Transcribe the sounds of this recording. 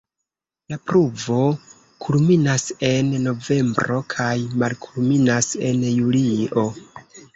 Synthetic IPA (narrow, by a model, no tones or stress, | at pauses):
lapɾuvo̞ | kʰulminase̞nno̞ve̞mbɾo̞kʰajmalkʰulminase̞njuliʔo̞